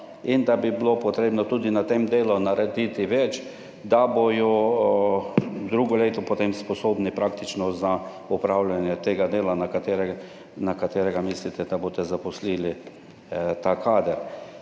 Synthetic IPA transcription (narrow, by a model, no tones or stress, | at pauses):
ind̪abibilopɔt̪ɾeːbnɔt̪uːd̪inat̪emd̪eːlɔnaɾɛd̪it̪iʋɛt͡ʃ | d̪abojɔ | d̪ɾuːɡɔleːt̪ɔpɔt̪emspɔsoːbnipɾakt̪it͡ʃnɔza | ɔpɾawlʲjanjɛt̪eːɡad̪eːlanakat̪eɾɛ | nakat̪eːɾɛɡamislit̪ɛd̪aboːt̪ɛzapɔsliːli | t̪akʰaːd̪əɾ